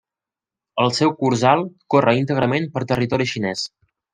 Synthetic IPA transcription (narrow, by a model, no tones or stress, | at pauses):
əlˠsɛwkuɾzalˠkorəint̪əɣɾəmenpəɾt̪ərit̪ɔɾiʃinɛs